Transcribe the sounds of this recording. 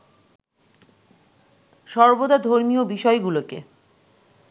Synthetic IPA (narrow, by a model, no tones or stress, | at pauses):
ʃɔɾbod̪ad̪ʱoɾmiobiʃɔeɡulokḛ